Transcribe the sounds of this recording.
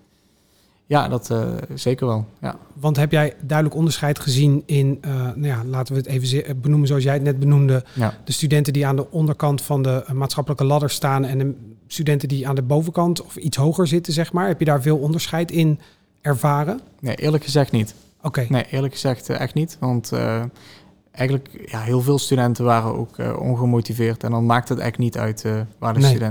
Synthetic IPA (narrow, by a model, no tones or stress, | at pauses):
ja̰ːdɑtz̥ejkəɹʋɛlˠja̰ʋɑntɦɛpjɛjdœɥdələkɔndəɹsχɛjtχəzinɪnənawjaːlaːtəʋəətejvənbənumənzowɑs̬jɛjətnɛd̚bənumdədəstydɛntəndiaːndəʔɔndəɹkɑntfɑndəmaːtsχɑpələkəlɑdəɹstaːnɛndəstydɛntəndiaːndəbowvəkɑntɔfitsɦowχəɹzɪtəzɛχmaːɹɦɛpjədaːɹvɪːlˠɔndəɹsχɛjtɪn | ɛɹvaːrənejʔɪːɹləkxəzɛxtnit | okejnejʔɪːɹləkxəzɛxtɛ̰xtnitʋɑntə̰ | ʔɛjɣənləkjaɦɪːlˠvɪːlˠstydɛntəʋaːrəno̰wkə̰ɔ̰nɣəmotivɪːrtɛ̰ndɑnmaːk̚tɦətɛ̰jnitœ̰ɥtʋaːɹdəntydɛn